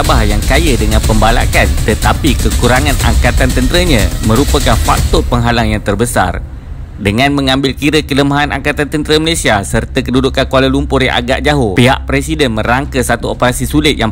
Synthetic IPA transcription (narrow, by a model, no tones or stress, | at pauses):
abahjaŋkajədəŋãnpəmbala̰kant̪ət̪apikəkuɾaŋãna̰ŋkat̪ant̪ənt̪əɾəɲãmə̃ɾupəkanfa̰k̚t̪ʊpəŋɦalaŋjaŋt̪ərbəsa̰r | dəŋãnmə̃ŋãmbɪlkiɾəkələmaɦana̰ŋkat̪ant̪ənt̪əɾəməlesiasərt̪akədudukakualəlumpʊriʔa̰ɡa̰ʔd͡ʒaɦopiɦa̰ʔpɾɛsidɛnmə̃ɾaŋkəsat̪uopəɾasisulɪt̪̚jaŋ